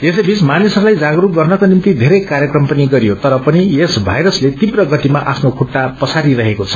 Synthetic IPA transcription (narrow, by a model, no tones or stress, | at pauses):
esʌbʱit͡smanisʌɾulajd͡zaɡʌɾup̚ɡʌrnʌkonimt̪id̪ʱeɾʌjkaɾjʌkrʌmpʌniɡʌɾijot̪ʌɾʌpʌniesbʱajɾʌslet̪ibrʌɡʌt̪imaʔapʰnokʰuʈːapʌsʰaɾiɾʌɦekot͡sʰʌ̥